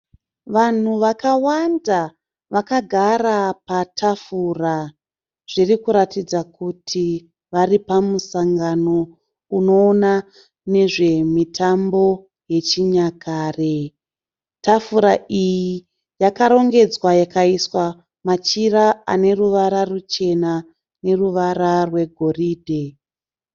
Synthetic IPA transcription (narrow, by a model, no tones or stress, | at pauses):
ʋan̤uʋakawanda | ʋakaɡʱarapatʰafura | ʐ̥irikuɾatid͡zakutʰi | ʋaripamusaŋɡano̞ | uno̞ːna | ne̞ʐe̞mitʰambo̞ | je̞t͡ʃiɲakʰaːre | tafuɾaʔiji | jakaɾo̞ŋɡe̞d͡zwajakaiswa | mat͡ʃiraa̰ne̞ruʋaɾarut͡ʃe̞na | ne̞ruʋaɾarwe̞ɡʱo̞riːdʱe̞